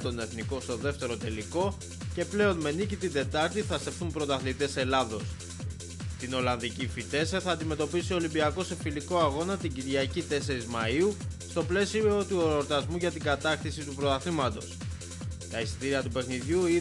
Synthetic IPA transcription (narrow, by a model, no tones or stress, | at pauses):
t̪o̞ne̞θniko̞st̪o̞ðe̞ft̪e̞ɾo̞t̪e̞liko̞ | ce̞ple̞o̞nme̞nicit̪ind̪e̞t̪ɐɾt̪iθɐst̪e̞fθumpɾo̞t̪ɐθlit̪e̞se̞lɐðo̞s | t̪ino̞lɐnðicifit̪e̞sθɐːnd̪ime̞t̪o̞pisio̞limbiɐko̞se̞filiko̞ɐɣo̞nɐt̪iɲɟiɾʝɐcit̪e̞se̞ɾizmɐiust̪o̞ple̞sio̞t̪ueɾoɾt̪ɐzmuʝɐt̪iŋɡɐt̪ɐxθisit̪upɾo̞t̪ɐθimɐt̪o̞̰s | t̪ɐisi̥t̪iɾiɐt̪upe̞xniðʝui